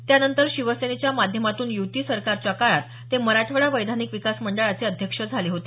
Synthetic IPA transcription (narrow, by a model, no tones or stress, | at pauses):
t̪janənt̪əɾɕiʋəsenet͡ɕjamad̪ʱjəmat̪uːnjuʋt̪iːsəɾkaɾt͡ɕjakaɭat̪ːeməɾaʈʰʋəɭaʋəjd̪ʱanikʋikasməɳɖəɭat͡seəd̪ʱjəkʂəd͡zʱaliɦot̪e